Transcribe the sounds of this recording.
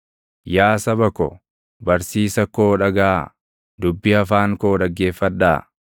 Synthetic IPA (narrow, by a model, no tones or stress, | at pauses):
jaːsɐbɐkɔ | bɐɾsiːsɐkoːᶑɐɡaː | d̪ʊbːɪɐfaːŋkoːdɐɡːe̞ːfːɐd̪ːaː